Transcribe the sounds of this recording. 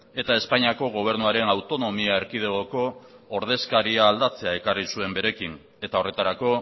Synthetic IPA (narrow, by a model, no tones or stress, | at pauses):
e̞t̪ae̞spaɲiako̞ɣ̞o̞β̞e̞ɾnuaɾe̞nawt̪o̞no̞miae̞ɾkið̞eɣo̞ko̞ːɾðe̞skaɾiaːld̪at͡se̞ae̞karisue̞mbe̞ɾe̞kin | e̞t̪ao̞re̞t̪aɾako̞